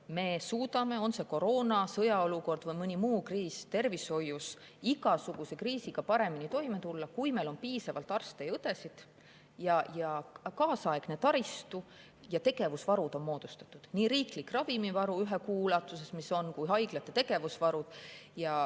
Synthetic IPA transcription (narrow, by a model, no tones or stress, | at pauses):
me̞ːsuːd̪ɑme̞o̞nse̞ko̞ɾo̞ːnɑsɤjɑo̞luko̞rd̪̥vɤjmɤnʲimuːkriːst̪e̞rvisho̞jus | iɡɑsuɡ̥use̞kriːsiɡ̥ɑpɑɾe̞minit̪o̞jmet̪ulːɑkujme̞lo̞npiːsɑvɑlt̪ːˑɑrst̪e̞jɤt̪e̞sid̪̥ | jɑjɑkɑːsɑeɡ̥net̪ɑɾist̪u | jɑt̪e̞ɡ̥e̞vusvɑɾud̪̥o̞nmo̞ːd̪̥ust̪ɑ̥t̪ːˑud̪̥niːɾiːklikrɑvimivɑɾuyɦekuːlɑt̪ːˑuse̞smiso̞nkujɦɑjɡ̥lɑt̪ːˑet̪e̞ɡ̥e̞vusvɑɾud̪̥ | jɑ